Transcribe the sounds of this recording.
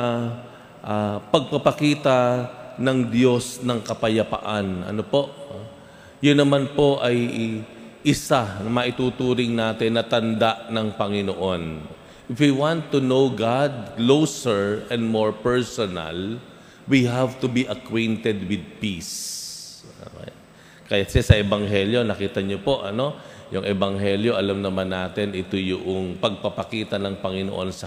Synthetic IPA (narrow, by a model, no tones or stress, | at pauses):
ʔapɐɡ̚pɐpɐkiːt̪anɐŋd̪jo̞snɐŋkɐpɐjɐpa̰ʔanʔɐ̰nopo̞ʔ | jʊnːɐmanpo̞ʔɐj | ʔɪsanɐmɐʔɪt̪uːt̪uːɾɪŋnaːt̪ɪnːɐt̪ɐnd̪aʔnɐŋpɐŋɪnoʔo̞n | ʔɪfwiwãnt̪ːunowɡad̪̚klowsɛɹʔɛ̃nd̪̚moɹpɛɹsonɐ̰l | wiɦavt̪ʊbiʔɐkwɛ̃nt̪ɛd̪wɪd̪̚pis | o̰ | kɐjat̪sɛsɐʔɛbɐŋɦɛljo̞nɐkiːt̪ɐɲopo̞ʔɐno̞jʊŋʔɛbɐŋɦɛljo̞ʔɐlamnɐmanːaːt̪ɛnʔɪt̪ojʊʔoŋpɐɡ̚pɐpɐkiːt̪ɐnɐŋpɐŋɪnoʔo̞nsɐ